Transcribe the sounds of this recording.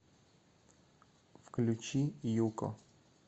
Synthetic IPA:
fklʲʉt͡ɕijukɔ̰

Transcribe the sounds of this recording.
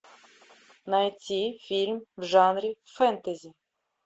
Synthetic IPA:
nɐt͡sʲifʲilʲmʲwʒɑnɾʲifɛnt̪ezʲi

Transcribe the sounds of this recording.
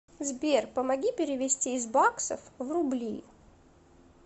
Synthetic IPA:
zbʲerpəmɐɡʲipʲɪɾʲɪvʲɪsʲtʲiːzbaksə̰fvrʊblʲḭ

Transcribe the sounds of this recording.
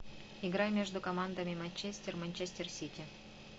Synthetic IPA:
iɡɾajmʲeʐd̪ʊkɐmand̪amʲɪimɐnʲt͡ɕesʲtʲermanʲt͡ɕesʲtʲersʲitʲi

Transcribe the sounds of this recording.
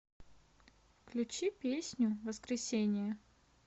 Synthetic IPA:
fklʲʉt͡ɕipʲesʲnʲʊvəskɾʲɪsʲenʲɪjə

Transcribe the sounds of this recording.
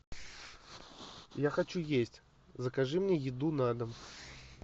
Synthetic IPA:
jaxat͡ɕujesʲtʲ | zəkaʐɨmnʲejɪd̪unad̪ɐm

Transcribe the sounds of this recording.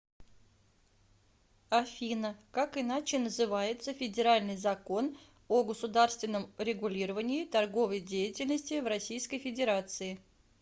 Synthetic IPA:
ɐfʲinəkakɨnat͡ɕɪnəzɨvajɪt̪səfʲɪdʲɪɾalʲnɨjzɐko̞n | oɡəsʊd̪arst̪vʲɪnːəmɾʲɪɡʊlʲiɾəvənʲɪɪt̪ɐrɡo̞vəjdʲejɪtʲɪlʲnəsʲtʲɪvrɐsʲijskəjfʲɪdʲɪɾat̪sɨɪ

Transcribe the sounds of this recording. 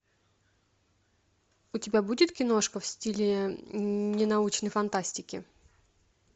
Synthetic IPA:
ʊtʲɪbʲabudʲɪt̪kʲɪno̞ʂkəfsʲtʲilʲɪ | nʲɪnɐut͡ɕnəjfɐnt̪asʲtʲɪkʲɪ

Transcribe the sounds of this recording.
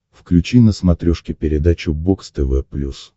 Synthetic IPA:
fklʲʉt͡ɕinəsmɐt̪ɾʲoʂkʲɪpʲɪɾʲɪd̪at͡ɕʊbokst̪ɛvɛplʲus

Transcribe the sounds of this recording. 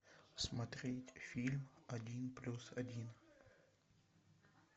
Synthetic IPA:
smɐt̪ɾʲetʲfʲilʲmɐdʲinplʲusɐdʲin

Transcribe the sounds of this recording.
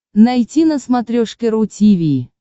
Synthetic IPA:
najtʲinəsmat̪ɾʲoʂkʲeɾutʲivʲi

